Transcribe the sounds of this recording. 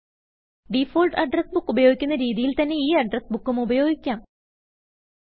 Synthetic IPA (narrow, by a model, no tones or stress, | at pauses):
ɖifoːlɖɐɖrɐsbukːubɐjo̞ːɡikʲːunːɐɾiːðijilt̪ɐnːe̞iːɐɖrɐsbukːumubɐjo̞ːɡikʲːaːm